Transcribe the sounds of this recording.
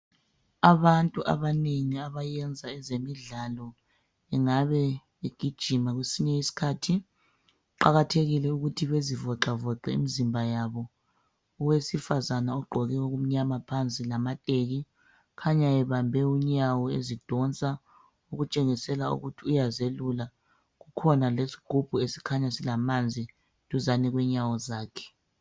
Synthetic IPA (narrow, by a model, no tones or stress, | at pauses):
aβantʼuʔa̰βaneŋiaβajɛnd͡zʱaɛzemiɮalɔ | ɛŋaβɛ | eɡ̥ʱid̥ʒ̥ʱimaɣwesiɲɛisi̥kʰaːtʰi | ǃaɣatʰeɣilɛuɣutʰiβezivɔǁavɔǃɛḭmizimbʱajaβɔː | wesifazanaɔɡ͡ǃʱɔɣɛoɣum̩ɲamapʰant͡sʼilamatʼeɣi | kʰaɲaɛβambʱɛuɲawɔezid̥ʱɔnt͡sʼa | uɣut͡ʃʼeŋisɛlaṵɣutʰiujazelula | ɣukʰɔnalesi̥ɡ͡ǃ̥ʱub̥ʱuesi̥kʰaɲasilamand͡zʱi | d̥ʱʼuzaniɣwɛɲawɔzaːkʰɛ̥